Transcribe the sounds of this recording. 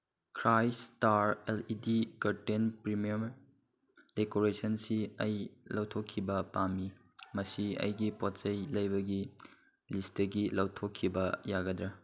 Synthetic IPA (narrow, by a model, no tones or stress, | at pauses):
kʰɾajstaɾelidikɐɾtenpɾimiɐm | dekoɾesɐnsiɐjlɐwtʰokʰːibɐpamːi | mɐsiɐ̰jɡipott͡ʃɐjlɐjbɐɡi | listɐɡilɐwtʰokʰːibɐjaɡɐdɾɐ